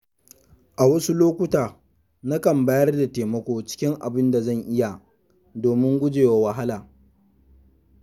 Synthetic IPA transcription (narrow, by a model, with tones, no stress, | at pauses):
ʔa˨wɐ˦su˦loː˦kʷʊ˦taː˨ | na˦kɐ˨mba˦jɐ˦rda˨teː˨mɐ˦kʷoː˦t͡ʃɪ̥˦kʲɪ˦ŋʔa̰˨bɪ˦nda˨zɐ˦˨ŋʔɪ˦ja˨ | doː˨mɪ˦ŋɡʷʊ˦d͡ʒeː˨wa˨wɐ˨ɦa˦laː˨